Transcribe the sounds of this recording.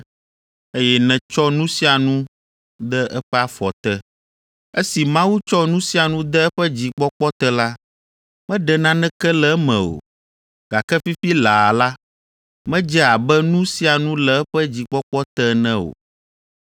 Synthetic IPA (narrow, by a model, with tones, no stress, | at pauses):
e˦jɛ˦nɛ̃˨t͡ʃɔ˦nũ˦si˦a˨nũ˦ | d̪ɛ˦ɛ˦ɸɛ˦a˨fɔ˨t̪ɛ˦ | e˦si˨mã˦wu˦t͡ʃɔ˦nũ˦si˦a˨nũ˦d̪ɛ˦ɛ˦ɸɛ˦d͡ʑi˨k͡pɔ˦k͡pɔ˦t̪ɛ˦la˦ | mɛ̃˦ɖɛ˨nã˦nɛ̃˦kɛ˦lɛ˨˦mɛ̰̃˨o̰˨ | ɡ̥a˨kɛ˦fi˦ɸi˦la˨la˦ | mɛ̃˦d͡ʒɛ˦a˨bɛ˦nũ˦si˦a˨nũ˦lɛ˨ɛ˦ɸɛ˦d͡ʑi˨k͡pɔ˦k͡pɔ˦t̪ɛ˦nɛ̃˦o̰˨